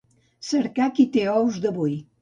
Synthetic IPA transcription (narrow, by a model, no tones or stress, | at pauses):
səɾkakit̪eɔwzd̪əβuj